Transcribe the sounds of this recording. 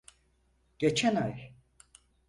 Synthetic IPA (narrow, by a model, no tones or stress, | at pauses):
ɟ̥et͡ʃʰænaj